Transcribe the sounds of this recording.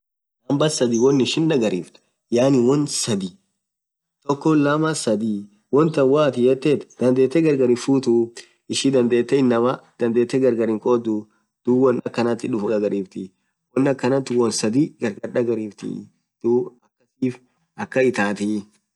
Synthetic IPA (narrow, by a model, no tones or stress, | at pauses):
nɐmbɐsɐd̪iwɔnːɪʃɪnᶑɐɡɐɾiːft̪ɐ̥ | jaːnɪwɔnsɐd̪i | t̪ɔkːɔlɐmɐsɐd̪i | wɔnt̪ɐnwaːt̪ɪjɛt̪ːet̪d̪ɐnd̪e̞ːt̪ːɛɡɐɾɡɐɾɪfuːt̪u | ɪʃid̪ɐnd̪eːt̪ːɛɪnːɐmɐd̪̥ɐnd̪eːt̪ːɛɡɐɾɡɐɾɪŋkʼɔd̪u | d̪̥uwɔnɐkːɐnɐt̪ːɪᶑʊfɡɐɡɐɾiːft̪ɪ | wɔnːɐkːɐnɐt̪ːɪwɔnsɐd̪iɡɐɾɡɐɾᶑɐɡɐɾiːft̪ɪ̰ | d̪̥uːɐkːɐsiːf | ʔɐkːɐɪt̪aːt̪ɪ